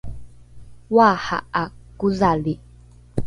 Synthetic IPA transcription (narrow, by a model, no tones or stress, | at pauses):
waha̰akuzali